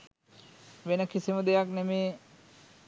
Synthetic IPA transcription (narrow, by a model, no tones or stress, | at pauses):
ʋenəkisiməd̪ejaknemeː